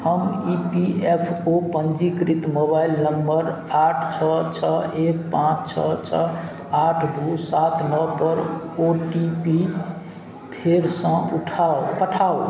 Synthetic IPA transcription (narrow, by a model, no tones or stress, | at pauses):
həmipiepʰopənd͡ʒikɾit̪moβailnəmbəɾaʈʰt͡ʃʰɔt͡ʃʰəek̚pãt͡ʃt͡ʃʰɔt͡ʃʰɔ | aʈʰd̪usat̪nɔpəɾ | oʈipi | pʰeɾsə̃uʈʰaopəʈʰao